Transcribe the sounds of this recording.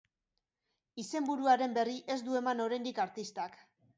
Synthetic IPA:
ise̞mbuɾuaɾe̞mbe̞riʔe̞zd̪ue̞mano̞ɾajnd̪ikaɾt̪ist̪ak

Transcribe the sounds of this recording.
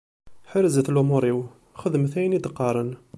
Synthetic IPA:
ħəɾzəθlumoɾˤiw | xəd̪mθæjnid̪əqːɑɾˤən

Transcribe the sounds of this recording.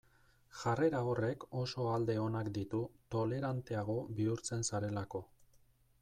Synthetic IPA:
ʝare̞ɾao̞re̞ko̞so̞ald̪e̞o̞nakd̪it̪ut̪o̞le̞ɾant̪e̞aɣ̞o̞βiuɾt͡se̞nsaɾe̞lako̞

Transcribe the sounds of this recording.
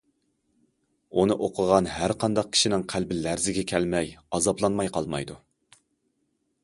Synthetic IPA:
unɨʔoqʰəʁɑnɦæɾqʰɑnd̪ɑq̚kʲʰi̥ʃinɪŋqʰælbɪlæɾzɪɡʲɛkʲʰɛlmɛjɑzɑblˠɑnmɑjqʰɑlˠmɑ̰jd̪u

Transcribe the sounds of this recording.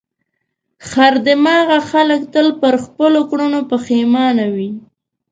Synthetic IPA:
xaɾd̪ɪmɑɣaxaləkt̪əlpəɾxpəlokɽunopəxemɑnawi

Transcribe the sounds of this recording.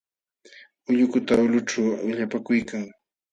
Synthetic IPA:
ʊʎʊkʊt̪aʊlʊʈ͡ʂawwɪʎapakʊjkaŋ

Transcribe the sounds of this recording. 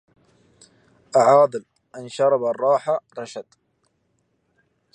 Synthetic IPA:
ʔaʕɑːd̪ˤɨl | ʔanʃɑɾˤɑbarˤːɑːħaɾˤɑʃad̪

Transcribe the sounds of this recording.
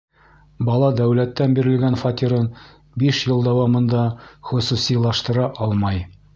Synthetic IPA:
bɑlˠɑd̪æwlæt̪ːænbiɾɘ̆lɡænfɑt̪ʲiɾɤn | biʃjɤlˠd̪æwɑmɤ̆nd̪ɑχɵ̆susilˠɑʃt̪ɤ̆ɾɑʔɒlˠmɑj

